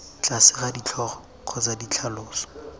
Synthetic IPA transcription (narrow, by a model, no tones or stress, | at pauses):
t͡ɬʼasɪχadit͡ɬʰɔχɔ | q͡χʰɔt͡sadit͡ɬʰalʊːsɔ̥